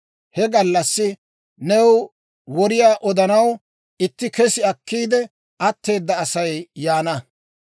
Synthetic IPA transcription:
hɛɡɐlːɐsːɪ | nɛw | wɔɾɪjaːʔɔd̪ɐnɐw | ɪt̪ːɪkɛsɪɐkʰːiːd̪ɛ | ʔɐt̪ːe̞ːd̪ːɐːsɐjjaːnɐ

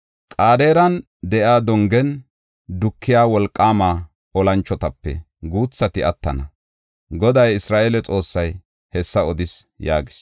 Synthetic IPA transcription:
kʼaːd̪e̞ːɾɐn | d̪ɛʔjaːd̪ɔŋɡɛn | d̪ʊkʰːɪjaːwɔlkʼːaːmaː | ɔlɐnt͡ʃːɔt̪ɐpːɛ̰ | ɡuːt͡sːɐt̪ɪɐt̪ːɐnɐ | ɡɔd̪ɐjɪsɾaːʔeːlɛt͡sʼo̞ːsːɐj | hɛsːɐɔd̪ɪs | jaːɡɪ̥s

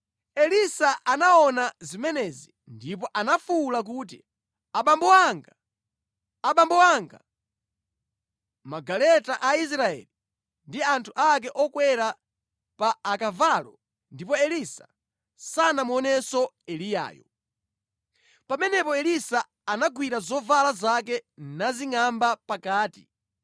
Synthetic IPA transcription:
ɛlisaʔanaɔnazimɛnɛzi | ndipɔʔanafulak̬uːt̬ḭ | aɓambɔwaŋɡaː | ɓambɔwaŋɡa̰ | maɡalɛtaʔais̬ɾaɛ̰li | ndiantʰuʔak̬ɛʔɔkwɛɾa | paːkavalɔ | ndipɔɛlisa̰ | sanamuɔnɛsɔ | ɛlija̰ːjɔ̰ | pamɛnɛpɔɛlisaː | naɡwiɾazɔvalazak̬ɛnaziŋambapakaːti

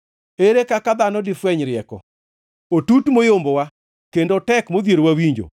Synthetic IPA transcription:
eɾekakad̪anɔdifwɛɲɾɪɛkɔ̰ | otutmojombowa | kendotɛkmod̪jeɾwawiɲd͡ʒo̰

